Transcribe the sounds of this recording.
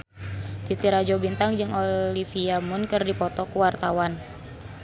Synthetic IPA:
t̪it̪iɾad͡ʒɔbint̪aŋd͡ʒɨŋolifiamʊnkɨrdipɔt̪ɔkuwart̪awan

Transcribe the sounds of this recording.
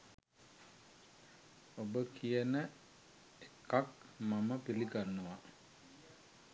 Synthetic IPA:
obəkʰijənə | ekakmaməpiliɡanːuʋa

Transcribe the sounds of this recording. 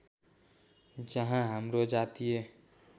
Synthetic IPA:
d͡ʒəɦãɦəmɾod͡ʒat̪ije

